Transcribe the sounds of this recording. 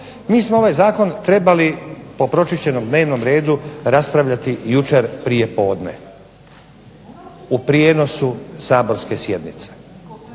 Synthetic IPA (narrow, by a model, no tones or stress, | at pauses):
miːsmoo̞ʋajzaːko̞nt̪ɾe̞balipo̞pɾo̞t͡ʃiʃt͡ɕe̞nomd̪ne̞ːʋno̞mɾe̞ːd̪uɾaspɾaʋʎʲat̪ijut͡ʃe̞ɾpɾije̞po̞ːd̪ne̞̰ | upɾijeno̞susaːbo̞ɾske̞sje̞d̪nit̪se̥